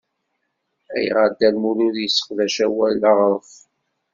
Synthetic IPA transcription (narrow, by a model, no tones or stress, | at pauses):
æ̰jʁəd̪ælmuɾuɾjəsːə̥qðæʃæwælːaʁɾˤəf